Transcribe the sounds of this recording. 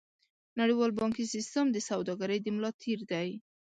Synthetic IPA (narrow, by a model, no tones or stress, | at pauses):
naɽiwɑlbɑŋkisist̪əmd̪əsawd̪ɑɡaɾəjd̪əmlɑt̪ʰiɾd̪aj